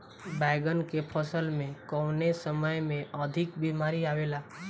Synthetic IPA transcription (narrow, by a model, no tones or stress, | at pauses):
bɛɪɡənkepʰəsəlmẽkəʋnesəməjmẽʔəd̪ʱɪkbimaɾiaʋela